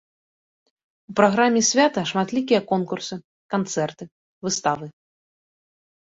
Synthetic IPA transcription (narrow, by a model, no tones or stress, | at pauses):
upɾaɣɾamʲːɛsʲvʲat̪ɐʂmat̪lʲikʲijɐkɔnkursɨ | kant̪sɛrt̪ɨ | vɨst̪avɨ